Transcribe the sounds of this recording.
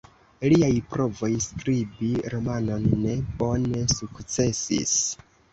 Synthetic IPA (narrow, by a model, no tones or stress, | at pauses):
liajpɾo̞vo̞jskɾibiɾo̞mano̞nːe̞bo̞ne̞sukt͡se̞sḭs